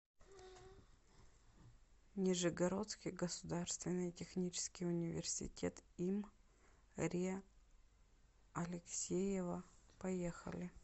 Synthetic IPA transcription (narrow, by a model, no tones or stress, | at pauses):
nʲɪʐɨɡɐɾo̞t̪skʲɪjɡəsʊd̪arst̪vʲɪnːɨjtʲɪxnʲit͡ɕɪ̥skʲɪjʊnʲɪvʲɪ̰rsʲɪ̰tʲḛt̪im | ɾʲi | ɐlʲɪksʲejɪvəpɐjexə̰lʲɪ